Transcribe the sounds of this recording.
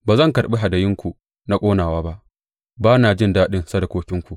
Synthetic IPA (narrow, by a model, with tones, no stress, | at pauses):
baː˨zɐ˦˨ŋkɐ˨ɽɓe˦ɦa˨da˨jɪ˦ŋkʷu˨ | na˦kʷʼoː˦naː˨waː˦ba˦ʔ | baː˦naː˨d͡ʒɪ˦ndaː˦ɗɪ˦nsa˦da˨kʷoː˦kʲɪ˦ŋkʷu˨ʔ